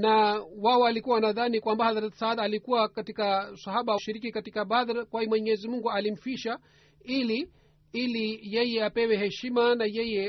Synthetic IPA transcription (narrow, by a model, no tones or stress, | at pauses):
nawaɔalikuwawanaðanikwambahaðaɾatsaːðaːlikuwakatikasahaɓauʃiɾikikatikaɓaðɾakwaimwɛɲɛzimuŋɡualim̩fiʃa | ili | ilijɛjɛapɛwɛhɛʃimanajɛjɛ